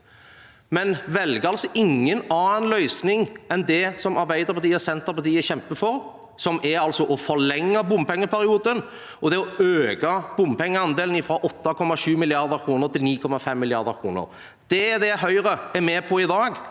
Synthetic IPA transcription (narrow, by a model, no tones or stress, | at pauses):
mɛnʋɛlɡəɑlsɔʔɪŋːənɑːnlœʏsnɪŋɛnd̪ɛsɔmɑɾbæɪd̪əɾpʰɑt̪iːəsɛnt̪əɾpɑt̪iːəçɛmpəfɔɾ | sɔmɛɾɑlsɔʔɔfɔlɛŋːɑbʊmpɛŋːəpʰæɾɪuːd̪ən | ɔd̪ɛɔøːɡɑb̥ʊmpɛŋːəɑnd̪eːlnɪfɾɑːʔɔt̪ːɑkʰɔmːɑʂʉːmɪlɪɑɾd̪əɾkʰɾuːnəɾt̪ɪlniːkʰɔmɑfɛmːɪlɪɑɾd̪əɾkʰɾuːnə̰ɾ | d̪̥ɛd̪ɛɦœʏɾəɛɾmɛːpʰɔɪd̪ɑːɡ